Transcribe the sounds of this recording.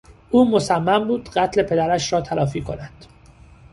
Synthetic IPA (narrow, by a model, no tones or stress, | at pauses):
ʔuːmo̞sæmːæmbuːd̪̥ɢæt̪ʰle̞pʰe̞d̪æɾæʃɾɒːt̪ʰælɒːfiːkʰo̞̰nænd̪̥